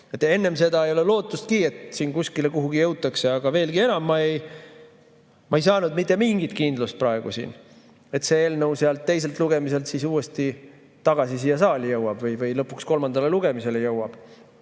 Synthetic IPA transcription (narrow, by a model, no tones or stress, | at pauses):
e̞t̪ːˑe̞nːe̞mse̞d̪ɑejo̞le̞lo̞ːt̪ːˑust̪kie̞t̪siːnkuskile̞kuɦuɡijɤwt̪ːˑɑkse̞ɑɡ̥ɑve̞ːlɡie̞nɑmːɑej | mʔɑejsɑːnud̪mit̪ˑːe̞miŋɡ̥it̪kind̪lust̪̚prɑeɡ̥ṵsḭːn | e̞t̪se̞eːlnɤwseɑlt̪ːe̞js̬e̞lt̪ˑluɡe̞mise̞lt̪sisuːe̞st̪i | t̪ɑɡ̥ɑsisiːjɑsɑːlʲijɤwɑb̥vɤjvɤjlɤpːuksko̞lmɑnd̪ɑle̞luɡ̥e̞mise̞lejɤwɑb̥